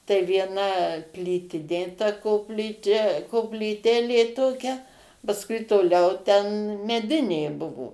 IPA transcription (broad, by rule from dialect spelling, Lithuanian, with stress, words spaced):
tɐɪ ʋʲiɛˈnɐ ˈpʲlʲiːtʲɪnʲeː tɐ koːpʲˈlʲiːt͡ʃʲɛ koːpʲlʲiːˈtʲeːlʲeː ˈtoːkʲɛ pɐsˈkʊɪ toːˈlʲɛʊ tʲɛn mʲɛˈdʲɪnʲeː ˈbʊʋoː